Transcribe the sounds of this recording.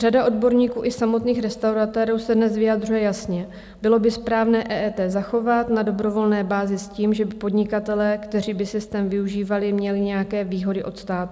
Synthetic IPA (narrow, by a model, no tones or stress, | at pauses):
r̥adaʔo̞dbo̞ɾɲiːkuːʔɪsamo̞t̪niːxɾɛst̪awɾat̪ɛːɾuːsɛdnɛsvɪjad̪rujɛjasɲɛ | bɪlo̞bɪspɾaːvnɛːʔɛːʔɛːt̪ɛːzaxo̞vat̪nado̞bɾo̞vo̞lnɛːbaːzɪsciːmʒɛbɪpo̞dɲɪkat̪ɛlɛːkt̪ɛriːbɪsɪst̪ɛːmvɪuʒiːvalɪmɲɛlɪɲɛjakɛːviːɦo̞dɪʔo̞t̪st̪aːt̪